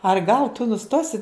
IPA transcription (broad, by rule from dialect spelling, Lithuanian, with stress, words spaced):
ɐr ɡɐlˠ tʊ nʊˈstoːsʲɪ